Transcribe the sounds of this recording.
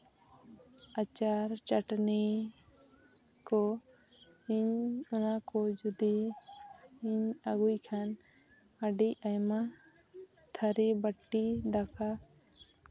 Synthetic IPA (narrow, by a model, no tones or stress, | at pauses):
at͡ʃaɾt͡ʃaʈni | kɔ | iɲɔnakɔd͡ʒud̪i | iɲaɡujkʰan | aɖiajma | t̪ʰaɾibəʈːid̪aka